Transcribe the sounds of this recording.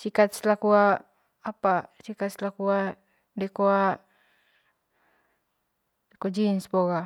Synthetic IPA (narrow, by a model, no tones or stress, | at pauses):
sikat̪̚slakuaː | pasikat̪̚slakua | dɛkoa | dɛkod͡ʒinspɔɣa